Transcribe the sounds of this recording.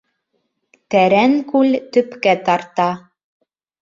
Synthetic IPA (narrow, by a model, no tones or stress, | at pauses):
t̪æɾæŋkʉlt̪ɵ̆pkæt̪ɑɾt̪ɑ